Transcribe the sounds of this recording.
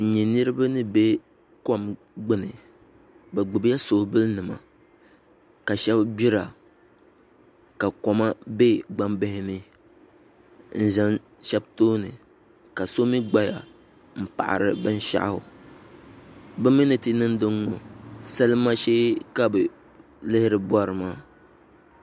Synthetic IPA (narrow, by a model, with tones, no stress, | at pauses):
ɲɛ˨nɨ˦ɾɨ˦ba˦nɨ˦be˦ | kɔ˦m | ɡ͡bɨ˦nɨ˨ | bɛ˨ɡ͡bɨ˨bja˦so˨bɨ˦lnɨ˨ma̰˨ | ka˨ʃɛ˦bbi˦ɾa˨ | ka˨kɔ˨ma˦be˦ɡ͡ba˦mbɛ˦hɪ˦nɨ˦ | n̩˦˨za˦n | ʃɛ˦btoː˦nɨ̰˨ | ka˨so˦mi˦ɡ͡ba˦ja̰˨ | m̩˨pa̰˨ʔa̰˨ɾɨ˦bɨ˦n˦ʃa̰˦ʔa̰˦hʊ˨ | bɨ˦mi˦nɨ˨ti˦nɨ˦n˦dɨ˦ŋːɔ̰˨sɛ˦lɨ˦ma˦ʃeː˦ka˦bɨ˨ | lɨ˦hɪ˦ɾɨ˨ba˦ɾɨ˨maː˦